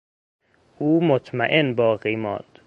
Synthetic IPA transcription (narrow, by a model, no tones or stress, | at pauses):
ʔuːmot̪ʰmæʔenbɒːɣiːmɒ̰ːnd̪̥